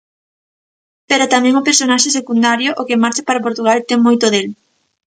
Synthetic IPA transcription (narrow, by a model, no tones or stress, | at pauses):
peɾat̪amɛ̃ŋʊpeɾsonaʃes̬ekund̪aɾjoʔokɪmaɾt͡ʃapaɾapoɾt̪uɣalt̪ɛŋmojt̪oðel